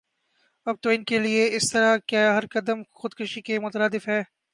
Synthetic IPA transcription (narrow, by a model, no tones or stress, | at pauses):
ɐb̚t̪oːɪnkelieɪst̪ɐɾakjaːɦɐɾkɐd̪əmxʊd̪kɪʃikemʊt̪əɾaːd̪ɪfɦɛː